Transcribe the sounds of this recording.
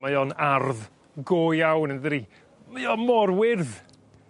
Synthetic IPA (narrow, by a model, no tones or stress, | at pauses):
ajɔnarð | ɡoːjawnənðɾi | majɔmɔrwɪrð